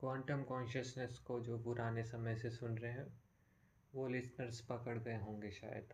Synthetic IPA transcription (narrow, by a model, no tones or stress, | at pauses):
kʋãːɳʈəmkɔ̃ːnʃəsnəskod͡ʒoːpʊɾaːnesɐməjsesʊnɾəɦeɦɛ̃ | ʋolɪsnəɾspɐkəɽɡɐeɦõːŋɡeʃa̰ːjə̰d̪